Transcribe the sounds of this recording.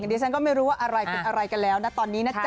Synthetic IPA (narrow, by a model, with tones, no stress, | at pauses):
diː˧˥t͡ɕʰa˧˥nkɔː˥˩ma˥˩jɾuː˦˥waː˥˩ʔa˧ɾa˧jpe˧nʔa˧ɾa˧jka˧nlɛː˦˥wna˦˥t̪ɔː˧nːiː˦˥na˦˥t͡ɕ